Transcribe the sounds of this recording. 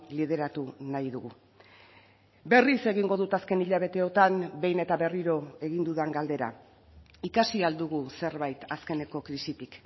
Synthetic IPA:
lið̞e̞ɾat̪unajðuɣu | be̞rise̞ɣiŋɡo̞ðut̪aske̞niʎaβ̞e̞t̪e̞o̞t̪ambe̞jne̞t̪aβe̞riɾo̞e̞ɣind̪uðaŋɡald̪e̞ɾa̰ | ikasiald̪uɣuse̞ɾβajt̪aske̞ne̞ko̞kɾisit̪ik

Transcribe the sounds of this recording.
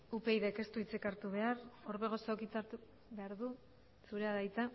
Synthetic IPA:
upejðeke̞st̪uit͡sekaɾt̪uβe̞aɾo̞ɾβe̞ɣo̞sokit͡saɾt̪u | βe̞aɾðu | suɾeaðajt͡s̪a

